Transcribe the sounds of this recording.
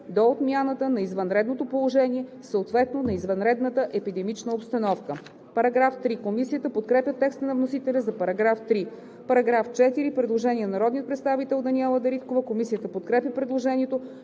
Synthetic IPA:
d̪oot̪mʲjanət̪ənɐizvɐnɾɛd̪not̪opolˠoʒɛniɛ | səot̪vɛt̪nonɐizvɐnɾɛd̪nət̪əʔɛpid̪ɛmit͡ʃnəopst̪ɐnɔfkə | pɐɾɐɡɾaft̪ɾikomisijət̪əpot̪̚kɾɛpʲjət̪ːɛkst̪ənɐvnosit̪ɛlʲɐzɐpɐɾɐɡɾaft̪ɾi | pɐɾɐɡɾaft͡ʃɛt̪iɾipɾɛd̪lˠoʒɛnʲiɛnnɐɾɔd̪niət̪pɾɛt̪st̪avit̪ɛlˠd̪ɐniɛlˠəd̪ɐɾit̪kovəkomisijət̪əpot̪kɾɛpʲəpɾɛd̪lˠoʒɛnʲiɛt̪o

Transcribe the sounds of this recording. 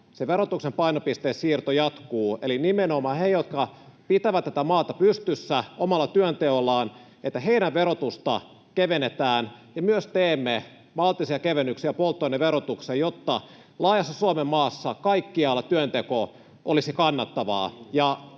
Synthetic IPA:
seʋeɾot̪uksempɑinopist̪eːssiːrt̪ojɑt̪kuːelinimenomɑːhejot̪kɑpit̪æʋæt̪ːæt̪æmɑːt̪ɑpyst̪ysːæomɑlːɑt̪yønt̪eolːɑːn | et̪ːæheinæʋʋeɾot̪ust̪ɑ̰ | keʋenet̪æːnjɑmyøst̪eːmːe | mɑlt̪ːisiɑkeʋenːyksiæpolt̪ːoinːeʋeɾot̪uksejot̪ːɑ | lɑːjɑsːɑsuomemːɑːsːɑkɑikːiɑlːt̪yønt̪eko | ʔolisikɑnːɑt̪ːɑʋɑ̰ːjɑ

